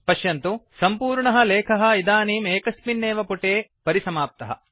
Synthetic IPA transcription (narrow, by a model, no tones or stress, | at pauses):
pɐʃjɐnt̪usɐmpuːɾɳɐɦɐ̆leːkʰɐɦɐ̆id̪aːniːmeːkɐsminːeːʋɐpuʈeːpɐɾisɐmaːp̚t̪ɐɦɐ̰